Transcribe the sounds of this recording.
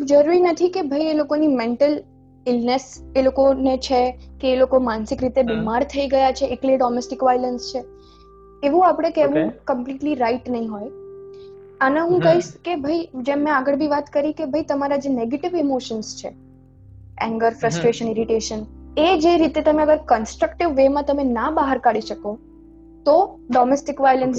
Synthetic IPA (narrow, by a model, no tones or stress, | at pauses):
d͡ʒəɾuɾinət̪ʰikebʱəielokonimeɳʈəl | ɪlneselokonet͡ʃʰekeːlokomansɪkɾit̪ebimaɾt̪ʰəiɡəjat͡ʃʰeʔːkleɖɔmɛsʈɪkʋailənst͡ʃʰe | eʋũapɽ̃ekeʋũkəmpliʈliɾaiʈnəɦĩɦoj | əneɦũkəɦiʃkebʱəid͡ʒemːẽaɡəɭbʱiʋat̪kəɾikebʱəit̪əmaɾad͡ʒeneɡeʈɪʋimoʃənst͡ʃʰḛ | ɛ̰̃ŋɡəɾfɾəsʈɾeʃənɪɾiʈeʃəned͡ʒeɾit̪et̪əmeəɡəɾkənsʈɾəkʈɪʋːemãt̪əmenabaɦəɾkaɽiʃəko | t̪oɖɔmesʈɪkʋajələns